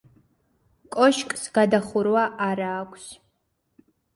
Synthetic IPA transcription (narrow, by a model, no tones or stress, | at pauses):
kʷʼɔʃkʼsɡadaχʷʊɾwaʔaɾaːkʷʼs